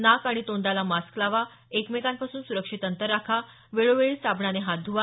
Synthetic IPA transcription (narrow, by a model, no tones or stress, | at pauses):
nakaɽ̃it̪oɳd̪alamasklaʋa | ekmekãnpasuːnsuɾəkʂit̪ənt̪əɾːakʰa | ʋeɭoʋeɭiːsabɳaneɦat̪̚d̪ʱuʋa